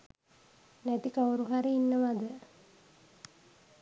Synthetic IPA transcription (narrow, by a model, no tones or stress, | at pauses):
næt̪ikauɾuɦaɾiinːəʋad̪ə